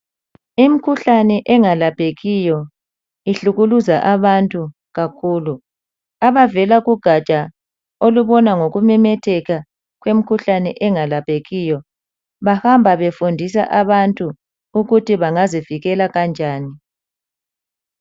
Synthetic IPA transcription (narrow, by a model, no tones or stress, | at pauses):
im̩kʰuɬanɛʔɛŋalapeɣijɔ | iɬuɣuluzaʔaβantʼu | ɣakʰuːlu | aβavɛlaɣuɡ̥ʱat͡ʃʼa | oluβɔnaŋoɣumɛmɛtʰɛɣa | ɣwem̩kʰuɬanɛʔɛŋalapʰeɣijɔ | βahambʱaβefundʱis̬a̰ʔaβantʼu | uɣutiβaŋaziviɣɛlaɣand͡ʒʱaːni